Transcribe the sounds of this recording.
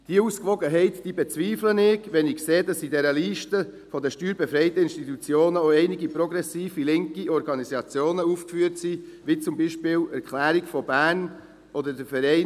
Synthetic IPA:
d̥iəuːskʋɔɡəɦɛɪtd̥iːbɛt͡sviːflənɪɡʋɛnɪkseːdɑsidɛɾəliːʃtə | fɔdəʃtyːɾbɛfɾɛɪtəɪnʃtitut͡sjoːnəoɛɪnɪɡipɾɔɡɾɛsiːfilɪŋkiɔɾɡɑnizɑt͡sjoːnəuːfkfyːəɾtsi | vit͡sʊmbiʃpɪːlɛɾkχlæːɾikfɔbæːɾn | ʔɔdədəfɛɾɛɪ

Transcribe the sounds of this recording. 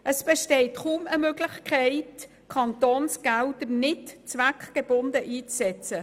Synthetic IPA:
ʔəsb̥ɛʃtɛɪtχuːməmøɡlɪçkʰaɪt | kʰɑntoːnsɡ̥aʊdənɪtt͡svakɡ̥eb̥ʊndəʔiːt͡ssɛt͡sə

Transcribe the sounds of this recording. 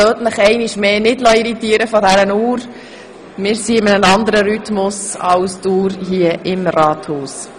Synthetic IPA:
øːtnəχɛɪniʃmeːnɪdlɔiɾitiːɾəfɔdæɾənuːɾ | mɪːɾsiɪmənənɑnd̪əɾəɾytmʊsɑʊstuːɾɦiəʔɪmrɑːthuːs

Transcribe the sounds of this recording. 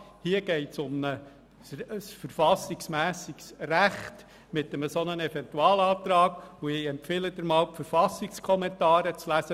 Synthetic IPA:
hiəɡ̥ɛɪtsʊmnə | ssfəɾfɑsɪksmæːsɪksræχt | mɪtəməsɔnənɛvɛntuɑːlɑːt̪ɾɑːɡ̥uɪɛmpfɪləd̥̪əɾmɑːlpfəɾfɑsɪkskʰɔmɛntɑːɾət͡slæsə

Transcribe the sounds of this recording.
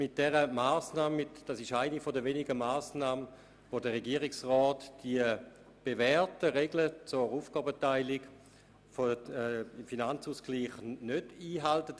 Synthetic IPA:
mɪt̚d̥ɛʁəmaːsnaːmɪtd̥asɪʃaɪnifodəvenɪɡəmaːsnaːmə | vodəʁeɡiəʁɪksʁɔːtd̥iə | b̥evɛʁtəʁeɡlət͡sʊʁuːfɡ̥ɔːbətaɪlɪɡ | fo | ɪmfinant͡suːsɡ̥liːχnød̥iːɦaltət

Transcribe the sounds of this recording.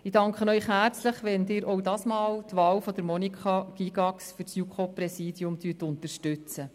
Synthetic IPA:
ɪdɑŋkχənœʏχɦæːrt͡sləχʋɛnd̪ɪːɾʔowdɑːsmɑːlt̪ʋɑːwfɔd̪əɾmɔnikχɑɡ̥iɡɑksfysjukʰoprɛsiːdjʊmtyt̪ʊnt̪əɾʃtʉt͡sə

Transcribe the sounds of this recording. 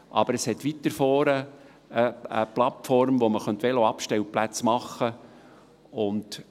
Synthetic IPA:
ʔɑ̰bəɾəshɛtʋit̪ːəɾfɔːɾə | əə̰plɑtfɔɾmʋoməχœnt̪ʋɛloɑpʃtɛwplæt͡smɑχːə | ʊnt

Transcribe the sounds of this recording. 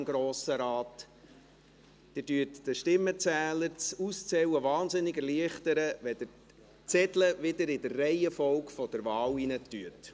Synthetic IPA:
mɡ̥ɾoːsəɾɑːt | d̥ɪdyətd̥əʃtɪmːət͡sæːləɾt͡sust͡sɛwəʋɑːnzɪnːɪɡɛɾliəχtəɾəʋɛd̥̪ə | t͡sɛdləʋɪdəɾɪdərːɛɪəfɔwkfɔd̥əɾʋɑːwinətːyət

